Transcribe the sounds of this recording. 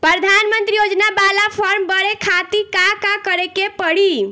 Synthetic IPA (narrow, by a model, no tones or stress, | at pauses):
pɾəd̪ʱanmənt̪ɾijod͡ʒnabalapʰəɾmbəɾekʰat̪ikakakəɾekepəɽi